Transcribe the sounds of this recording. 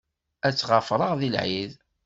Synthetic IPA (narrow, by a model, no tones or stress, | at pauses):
æt͡sːʁɑfɾˤəʁðilʕið